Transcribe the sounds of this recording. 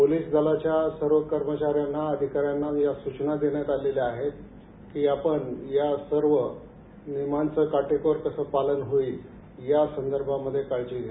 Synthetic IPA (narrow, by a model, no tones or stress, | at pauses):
poliːsd͡z̪ʱəlat͡ɕjasəɾʋəkəɾmət͡ɕaɾjanːaəd̪ʱikaɾjanːajasut͡ɕnad̪eɳjat̪aleliaɦet̪ | kiːapəɳjasəɾʋə | nimant͡səkaʈekoɾkəsəːpalənɦoiː | jasənd̪əɾbʱaməd̪ʱːjekajt͡ɕiːɡ̪ʱe